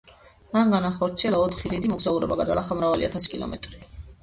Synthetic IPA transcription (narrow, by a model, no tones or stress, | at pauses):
maŋɡanaχɔɾt̪sʰiɛlˠaɔt̪ʰχid̪id̪imɔɡzauɾɔ̰baɡad̪alˠaχamɾavalḭat̪ʰasi̥kʼilˠɔ̰mʔɛ̰t̪ʼɾi